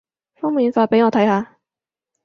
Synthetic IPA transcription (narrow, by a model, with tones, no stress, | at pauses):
fʊ˥ŋmː˨˧i˧˥nfaː˨˥pe˧˥ɪŋɔ˨˩t̪ʰa˨˥ɪhaː˨˥